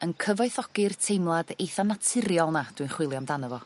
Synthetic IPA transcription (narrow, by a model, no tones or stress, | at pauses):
ənkʰəvɔɨθɔɡɪrtʰejmlˠad̥ejθanatʰɪɾjɔlˠnad̥wuɨnχwɪlˠjamdanəvɔ